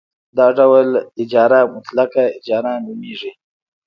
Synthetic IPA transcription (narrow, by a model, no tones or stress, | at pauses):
d̪ɑːɖawəlɪd͡ʒɑːɾamʊt̪lakaɪd͡ʒɑːɾanumiʐi